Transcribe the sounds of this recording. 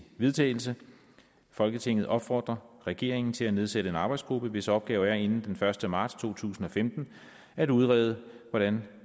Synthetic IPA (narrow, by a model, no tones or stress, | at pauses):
ʋe̝ðˠt͡sʰɛ̰ːɪl̩sə | fɒ̽lɡ̥ət͡sʰe̝ŋ̰ð̩ˠʔɒ̽b̥fɒ̰ːd̥ʁɐʁɛɡ̥e̝ɐ̰e̝ŋn̩t͡sʰe̝læne̝ð̞ˠseɾəe̝nɑ̈ːb̥ɑ̈ɪdsɡ̥ʁub̥əʋe̝səɒ̽b̥̚ɡ̥ɛːʊæɐe̝nn̩d̥enfɶɐsd̥əmɑ̈ːd̥st͡sʰo̝̰ːt͡sʰṵːsn̩ɒ̽femd̥n̩ | æɾ̥uð̞ˠʁɛ̰ːð̞ˠəʋɒɾ̥æn